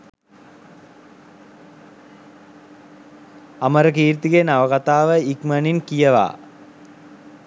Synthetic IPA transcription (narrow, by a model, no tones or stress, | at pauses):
ɐməɾəkiːɾt̪iɡenaʋɐkat̪aːʋəikməninkijəʋa̰ː